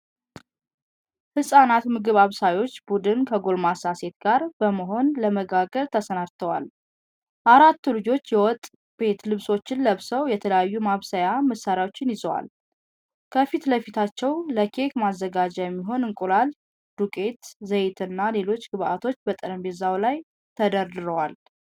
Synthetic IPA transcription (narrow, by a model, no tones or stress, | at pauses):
hɨsʼanat̪mɨɡɨβaβsajo̞t͡ʃːbud̪ɨnkʰəɡo̞lmasase̞t̪ɡaɾb̥əməɦo̞nləməɡaɡəɾt̪ʰəsənaɾt̪ʰəwa̰l | ʔaɾat̪ːulɨd͡ʒo̞t͡ʃːjɛwɔt̪ʼː | be̞t̪lɨβso̞t͡ʃːɪnləβsəwjɛt̪ʰələjajːumaβsəjaməsaɾjawo̞t͡ʃːɪnjɪzəwa̰l | kʰəfit̪ləfit̪ʰat͡ʃːɛwləkʰe̞kmazːəɡad͡ʒɛjɛmːiɦo̞nɨŋkʼulal | d̪̥ukʼe̞t̪zəjɪt̪ʰɨnːale̞lo̞t͡ʃːɡɨβʔat̪ʰo̞t͡ʃːbət̪ʼəɾəmbɛzawlaj | t̪ʰəd̪əɾd̪ɨɾəwal